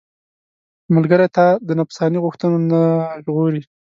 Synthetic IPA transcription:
məlɡəɾet̪ad̪ənapsɑniɣʊxt̪ənonaʒɣoɾi

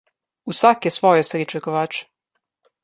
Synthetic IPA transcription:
usakjesʋojesɾit͡ʃɛkoʋaːt͡ʃ

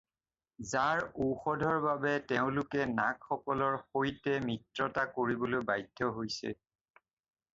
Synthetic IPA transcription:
zaɹuxɔdʱɔɹbabɛtɛʊ̃lʊkɛnakxɔkɔlɔɹxojtɛmitɹɔtakoɹibɔlojbajdʱːɔɦojsɛ̰

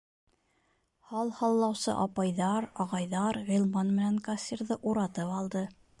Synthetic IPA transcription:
hɑlˠhɑlˠːɑwsɤ̰ʔɑpɑjðɑɾɑʁɑjðɑɾʁĭlˠmɑnmɘ̆næŋkasʲiɾðɤʔuɾɑt̪ɤpɑlˠd̪ɤ

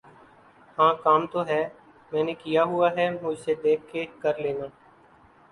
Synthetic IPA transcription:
hãːkaːmt̪oːɦɛː | mɛ̃ːnekijaːɦʊaːɦɛːmʊd͡ʒsed̪eːkʰkekəɾleːnaː

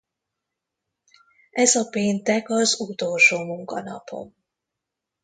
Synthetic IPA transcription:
ɛzɒpeːnt̪ɛkɒzut̪oːlʃoːmuŋkɒ̰nɒ̰pʰo̞̰m

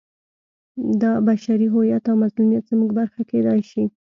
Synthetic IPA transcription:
d̪ɑbaʃaɾiɦojat̪awmazlumjat̪z̥muɡbaɾxaked̪ɑjʃi

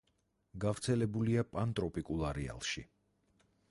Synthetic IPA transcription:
ɡavɾt̪sʰɛlɛbuliapʼant̪ʼɾɔpʼikʼulˠaɾɛa̰lˠʃi

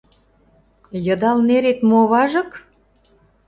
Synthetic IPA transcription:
jɤ̆d̪ɑlneɾet̪moβɑʒɤ̆k

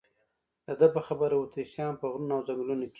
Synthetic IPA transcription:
d̪əd̪əpəxabəɾawut̪iʃjɑnpəɣɾunawzamilunoke

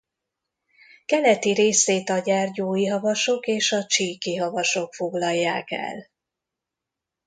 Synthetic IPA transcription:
kɛlɛt̪iɾeːseːt̪ɒɟɛrɟoːjiɦɒvɒʃo̞keːʃɒt͡ʃiːkiɦɒvɒʃo̞kfo̞ɡlɒjːaːkɛ̰l

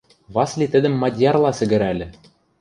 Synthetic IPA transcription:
βɑslʲit̪ɘ̆d̪ɘ̆mːɑd̪ʲjɑrlˠɑsɘ̆ɡɘ̆ɾælʲɘ̆

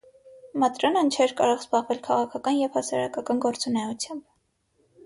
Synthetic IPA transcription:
mɑt̪ɾɔnənt͡ʃʰɛɾkɑɾɔʁzbɑʁvɛlkʰɑʁɑkʰɑkɑnjɛvhɑsɑɾɑkɑkɑnɡɔɾt͡sunɛut͡sʰjɑmb

